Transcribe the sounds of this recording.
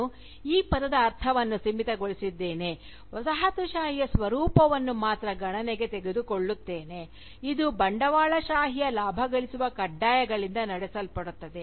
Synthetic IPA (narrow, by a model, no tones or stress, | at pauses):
u | iːpɐd̪ɐd̪ɐːɾt̪ʰɐʋɐnːusimit̪ɐɡoɭisid̪ːe̞ːne̞ | ʋɐsɐɦɐt̪uʃaːɦijɐsʋɐɾuːpɐʋɐnːumaːt̪ɾɐɡɐɳɐneɡe̞t̪e̞ɡed̪ukoɭːut̪ːe̞ːne̞ | id̪ubɐɳɖɐʋaːɭɐʃaːɦijɐlaːbʱɐɡɐɭisuʋɐkɐɖːaːjɐɡɐɭind̪ɐnɐɽɛsɐlpɐɽut̪ːɐd̪e